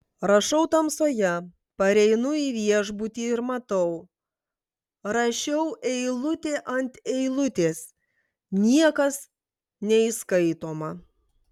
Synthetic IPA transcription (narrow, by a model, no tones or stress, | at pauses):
ɾɐʃɐʊt̪ɐmsoːjɛ | pɐɾʲɛɪnʊiːʋʲiɛʒbut̪ʲiːɪɾmɐt̪ɐʊ | ɾɐʃʲɛʊʔɛɪlˠʊt̪ʲeːʔɐnʲt̪ʲɛɪlˠʊt̪ʲeːs | nʲiɛkɐs | nʲɛiskɐɪt̪oːmɐ